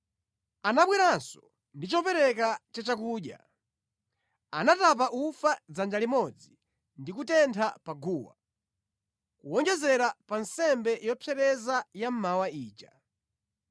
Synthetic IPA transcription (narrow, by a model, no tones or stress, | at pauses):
anaɓwiɾansɔ̥ | ndit͡ʃɔpɛɾɛkat͡ʃat͡ʃakuːɗja̰ | anatap̬aʔufad͡zand͡ʒalimɔd͡zi | ndikutɛntʰapaɡuːwa̰ | kuwɔŋd͡ʒɛzɛɾapansɛmbɛjɔpʰɛɾɛzajam̩mawaiːt͡ʃa